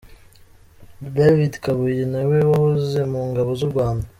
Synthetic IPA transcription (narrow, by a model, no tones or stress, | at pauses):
davidkaβujenawewahoze̞muːŋɡaβo̞zuɾɡwaːnda